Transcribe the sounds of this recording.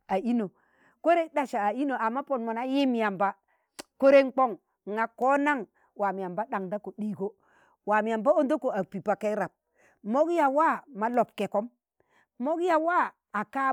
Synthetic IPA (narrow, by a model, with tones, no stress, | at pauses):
a˨i˦no˨ | ko˦ɾe˦ɗa˨ʃa˨a˨i˦no˨a˨mːa˦po˨nmo˨na˦ji˦m˨ja˨mba˦ | ko˦ɾe˦ŋk͡po˦ŋ˨ | ŋa˨ko˦na˦ŋ | wa˨mi˨ja˨mba˦ɗa˨ŋda˦ko˨ɗi˦˨ɡo˦ | wa˨mi˨ja˨mba˦o˦ndo˦ko˨a˨pi˨pa˨ka˦ɾa˨p̚ | mo˦kja˨wa˦˨ma˦lo˨p̚ke˨ko˦m | mo˦ɡja˨wa˦ | a˨ka˦